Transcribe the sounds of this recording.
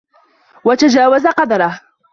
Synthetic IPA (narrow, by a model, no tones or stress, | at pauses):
wat̪ad͡ʒaːwazaqɑd̪ɑɾˤɑh